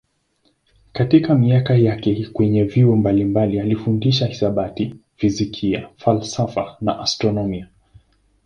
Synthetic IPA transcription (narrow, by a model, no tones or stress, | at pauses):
katikamiakajakɛkwɛɲɛviɔmbalimbalialifundiʃahi̥saɓati | v̥izikʰiafalsafa̰naʔastɾɔnɔmia